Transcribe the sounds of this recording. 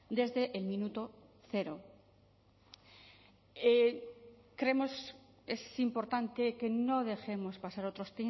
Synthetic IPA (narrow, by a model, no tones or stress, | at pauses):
d̪e̞zðeʔːlmĩnut̪o̞θe̞ɾo | e | kɾe̞mo̞s | esimpo̞ɾt̪ant̪eke̞no̞ð̞e̞xe̞mo̞spasaɾot̪ɾo̞st̪e